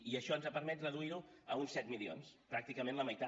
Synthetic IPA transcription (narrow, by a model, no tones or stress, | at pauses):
iəʃɔənzəpəɾmɛt̪rəðuiɾuəunsɛt̪milio̰nspɾak̚t̪ikəmẽnləməjt̪a